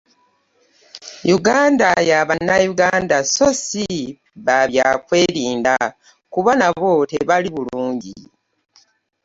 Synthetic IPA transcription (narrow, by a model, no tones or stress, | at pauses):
juɡaːndajaβanːajuɡaːndaso̞si | βaβjakwe̞ːɾiːnda | kuβanaβo̞teβaliβuluːɲɟḭ